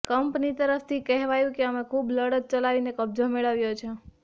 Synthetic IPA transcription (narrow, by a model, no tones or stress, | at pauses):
kəmpnit̪əɾəft̪ʰikɛɦʋajũkeəmekʰubləɽət̪̚t͡ʃəlaʋinekəb̚d͡ʒomeɭəʋjot͡ʃʰe